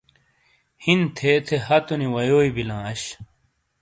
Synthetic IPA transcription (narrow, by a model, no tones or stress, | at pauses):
hint̪ʰeːt̪ʰeɦɐt̪uniwɐjoːibilãːɐɕ